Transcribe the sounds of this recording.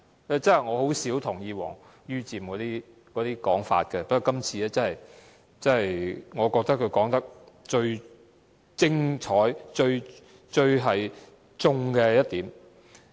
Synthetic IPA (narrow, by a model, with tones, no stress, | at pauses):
ɛ˧t͡sɐ˥hɐ˨jŋɔː˨˧ho˨˥wsiː˨˥wt̪ʰʊ˨˩ŋjiː˨˧wɔ̰ː˨˩ŋ | jyː˥t͡siː˨mkɔː˨˥t̪iː˥ | kɔː˨˥t̪iː˥kɔː˨˥ŋfa̰ː˧t̚kɛ˧pɐ˥kːɔ˨˧˥kɐ˥mt͡sʰiː˨˧ɛː˥t͡sɐ˥nhɐ˨j | t͡sɐ˥nɦɐ˨jŋɔː˨˧kɔː˧k̚t̪ɐ˥k̚ʰɵ˧ɥkɔː˨˥ŋt̪ɐ˥k̚ | t͡ʃɵ˧ɥ | t͡sɪ˥ŋt͡ʃʰɔː˨˥jt͡ʃɵ˧ɥ | t͡ʃɵ˧ɥɦɐ˨j | t͡sʊ˧ŋkɛ˧jɐ˥t̚t̪iː˨˥m